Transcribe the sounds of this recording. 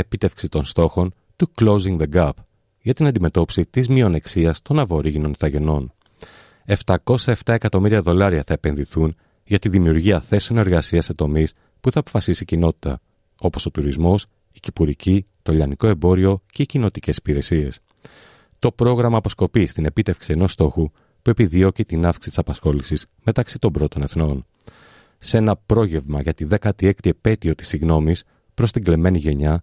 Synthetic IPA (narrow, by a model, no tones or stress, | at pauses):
epit̪e̞fksit̪o̞nst̪o̞xo̞n | t̪uklo̞ziŋðeɡɐp | ʝɐt̪inɐ̃nd̪ime̞t̪o̞pi̥sit̪izmio̞ne̞ksiɐst̪o̞nɐvo̞ɾiɣino̞nθɐʝe̞no̞n | e̞ft̪ɐko̞sɐe̞ft̪ɐe̞kɐt̪o̞miɾiɐðo̞lɐɾiɐθɐepe̞nðiθun | ʝɐt̪iðimiuɾʝiɐθe̞se̞one̞ɾɣɐsiɐsːe̞t̪o̞mis | puθɐːpo̞̥fɐsisicino̞t̪i̥t̪ɐ̰ | o̞po̞so̞t̪uɾizmo̞s | icipuɾicit̪o̞ʎɐniko̞e̞mbo̞ɾio̞ceicino̞t̪ice̞si̥piɾe̞sie̞s | t̪o̞pɾo̞ɣɾɐmɐːpo̞sko̞pist̪ine̞pit̪e̞fksieno̞st̪o̞xu | pue̞piðio̞cit̪inɐfki̥si̥t̪isɐpɐsxo̞lisis | me̞t̪ɐksit̪o̞mbɾo̞t̪o̞ne̞θno̞n | se̞nɐpɾo̞ʝe̞vmɐʝɐt̪iðe̞kɐt̪ie̞kt̪iepe̞t̪io̞t̪i̥siɣno̞mis | pɾo̞st̪iŋɡle̞me̞niʝe̞ɲɐ